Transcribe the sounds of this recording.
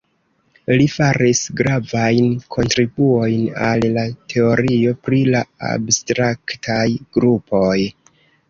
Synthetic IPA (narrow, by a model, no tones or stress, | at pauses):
lifaɾisɡɾavajnkʰo̞ntɾibuo̞jnallatʰe̞o̞ɾio̞pɾilaa̰bstɾaktʰajɡ̥ɾupʰo̞j